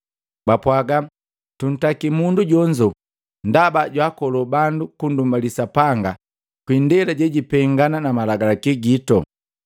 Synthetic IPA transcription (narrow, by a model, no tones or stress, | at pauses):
bapwaɡa | tun̩takimunduɟɔɲd͡ʒɔ | ndabaɟwakɔlɔbandukundumbalisapaŋɡa | kwindɛlaɟɛɟipɛŋɡananamalaɡalakiɡitɔ̰